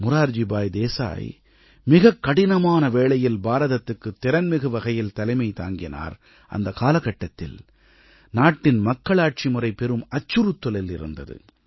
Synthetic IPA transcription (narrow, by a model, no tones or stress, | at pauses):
mʊɾaːɾd͡ʒɪbaːjd̪eːsa̰ːj | mɪɣɐkːɐɽɪnɐmaːnɐʋeːɭɐjɪlbaːɾɐðɐt̪ːɯkːɯt̪ːɪɾɐnmɪɣɯʋɐɣɐjɪlt̪ɐlɐɪmɐɪt̪a̰ːŋɡɪna̰ːɾ | ʔɐ̰nd̪ɐkaːlɐkːɐʈːɐt̪ːɪ̰l | naːʈːɪnmɐkːɐɭaːʈ̚t͡ʃimʊrɐɪpɛɾɯmɐt͡ʃːɯɾɯt̪ːɔlɪlɪɾɯ̰nd̪ɐ̰ðɯ̰